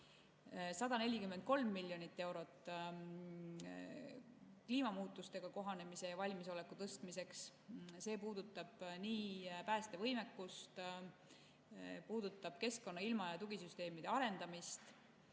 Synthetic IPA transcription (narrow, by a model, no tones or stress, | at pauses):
sɑd̪̥ɑne̞lʲikymːent̪̚ko̞lmːilʲːjo̞nit̪ːe̞wɾo̞t̪ːˑ | kliːmɑmuːt̪ːˑust̪e̞ɡ̥ɑko̞ɦɑne̞mise̞jɑvɑlʲmiso̞le̞kːut̪ɤst̪mise̞ksse̞ːpuːd̪̥ut̪ːˑɑb̥niːpæːst̪e̞vɤjme̞kːˑust̪ | puːd̪̥ut̪ːˑɑb̥̚ke̞sko̞nːɑilmɑjɑt̪uɡisyst̪e̞ːmid̪̥e̞ɑɾe̞nd̪̥ɑmist̪